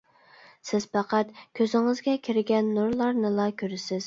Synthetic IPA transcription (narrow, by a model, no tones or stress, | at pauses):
sɪz̥pæqæt̪kʲʰøzɪŋɪzɡʲɛkʲʰiɾɡʲɛnːuɾlˠɑɾnɨlˠɑkʲʰøɾɪsɪz̥